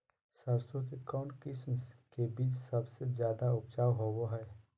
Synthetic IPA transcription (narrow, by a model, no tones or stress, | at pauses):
səɾsõkekɔːnkɪsmskebiːt͡ʃsəbsezjaːd̪aʊpt͡ʃaːwɦowoɦɛː